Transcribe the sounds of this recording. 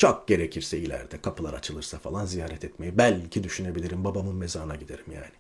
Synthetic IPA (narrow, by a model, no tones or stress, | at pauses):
t͡ʃʰok̚ɟ̥e̞ɾecʰiɾsɛilʲæ̰ɾd̪ɛkʰapʰɯlˠaɾa̰t͡ʃʰɯlˠɯɾsafalˠanzijaːɾɛt̪ʰɛt̪me̞jibælʲcʰid̪yʃyne̞bilʲiɾimbabamɯnme̞zaːɯnaɟid̪e̞ɾimja̰ːni